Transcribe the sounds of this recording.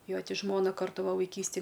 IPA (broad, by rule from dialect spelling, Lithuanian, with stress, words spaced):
ˈjoː ˈtʲɪ ˈʒmoːnɐ ˈkɐrtʊ ˈʋɐ ʋɐɪˈkʲiːsʲtʲɪj